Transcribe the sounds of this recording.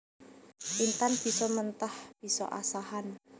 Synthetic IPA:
ʔint̪anb̥i̤sɔmənt̪ahb̥i̤sɔ̰ʔasaɦan

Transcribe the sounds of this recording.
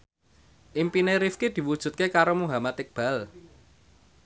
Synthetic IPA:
ʔimpineɾifked̪̥i̤wud̥ʒ̥ṳt̪̚kekaɾomuɦamat̪ɪk̚b̥a̤l

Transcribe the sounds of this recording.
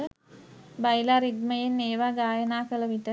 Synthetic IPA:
bajlaɾid̪məjenːeːʋaːɡaːjənaːkələʋiʈə

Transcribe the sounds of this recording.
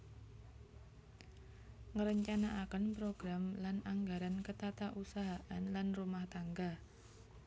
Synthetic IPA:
ŋəɾəɲt͡ʃanaʔakənpɾoɡɾamlanaŋɡaɾankət̪at̪aʔusaɦaʔanlanrumaht̪aŋɡa

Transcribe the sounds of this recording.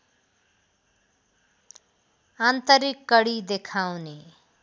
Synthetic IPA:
ant̪ʌɾikːʌɽid̪ekʰawne

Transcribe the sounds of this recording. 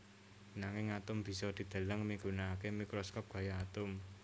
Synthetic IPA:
naŋɪŋat̪ʊmb̥i̤sɔd̪̥i̤d̪̥a̤ləŋmiɡunaːkemikɾɔskɔp̚ɡ̥a̤jaːt̪ʊm

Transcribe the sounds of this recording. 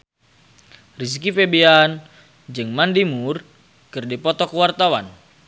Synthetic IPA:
ris̬ikifebian | d͡ʒɨŋmandimur | kɨrdipɔt̪ɔkəwart̪awan

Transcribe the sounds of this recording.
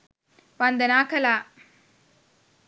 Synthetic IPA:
ʋɐnd̪ɐnaːkɐlaː

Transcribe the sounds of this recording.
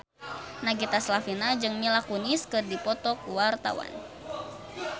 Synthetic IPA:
naɡit̪aslafinad͡ʒɨŋmilakuniskɨrdipɔt̪ɔk̚wart̪a̰wa̰n

